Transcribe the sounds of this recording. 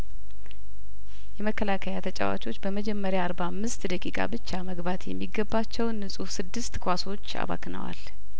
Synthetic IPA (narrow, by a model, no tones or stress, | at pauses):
jɛməkʰːəlakʰəjat̪ʰət͡ʃʼa̰wa̰t͡ʃʼo̞t͡ʃːbəməd͡ʒɛmːəɾjaːɾbamːɨst̪d̪əkʼikʼa̰bɨt͡ʃːaməɡbat̪jɛ̰mːiɡːəbːat͡ʃːɛwnːɨsʼufsɨd̪ːɨst̪kʰʷwaso̞t͡ʃːa̰βa̰knə̰wa̰l